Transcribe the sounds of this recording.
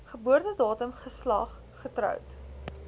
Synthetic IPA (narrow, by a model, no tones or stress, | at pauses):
χəbuərtədɑːtəmχəslɐ̰χːətɾœ̰wt